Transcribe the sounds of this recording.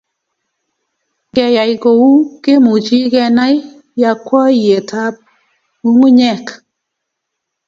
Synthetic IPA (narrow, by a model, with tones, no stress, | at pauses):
kɛ˨ja˨jko˨wu˦ke˦mu˨t͡ʃi˦kɛ˧na˦j | ja˨kwɔ˦je˨tʰa˦p̚ | u˦ŋu˦ɲɛ˦˨k